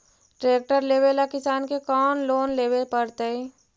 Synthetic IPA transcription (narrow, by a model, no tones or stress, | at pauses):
ʈɾeːk̚ʈəɾleːʋelakɪsaːnkekɔːnloːnleːʋepəɾt̪ei